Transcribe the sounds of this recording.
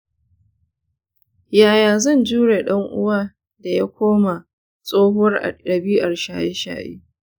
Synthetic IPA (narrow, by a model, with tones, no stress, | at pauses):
jaː˨jaː˨zɐ˦˨nd͡ʒuː˦ɽe˨ɗɐ˦ŋʔʊ̰˦waː˦ | da˨ja˦kʷoː˦ma˨ | sʼoː˦ɦʊ˦r̰ɐ˨biː˦ʔa˨rʃaː˨je˦ʃa̰ː˨ʔḭ˦